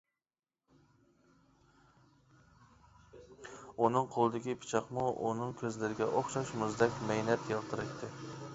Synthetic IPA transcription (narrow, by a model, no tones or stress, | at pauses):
unɨŋqʰolˠɨd̪ɪɡʲipʰɪ̥t͡ʃʰɑqmuʔṵnɨŋkʲʰøzlɪɾɪɡʲɛʔoχʃɑʃmʊzd̪ɛkʲmɛjnɛt̪jelˠt̪ʰɨɾɪʃt̪ʰɪ